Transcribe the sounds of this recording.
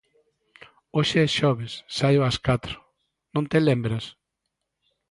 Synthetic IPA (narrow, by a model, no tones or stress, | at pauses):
oʃɪʃɔβɪsːajoaskat̪ɾʊ̥ | nõnt̪elembɾas